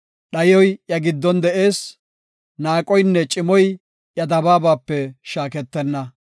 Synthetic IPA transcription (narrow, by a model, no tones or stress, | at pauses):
ɗɐjɔjjɐɡɪd̪ːɔnd̪ɛʔe̞ːs | naːkʼɔjnːɛt͡ʃʼɪmɔj | ʔjɐd̪ɐbaːbaːpːɛʃaːkɛt̪ːɛnːɐ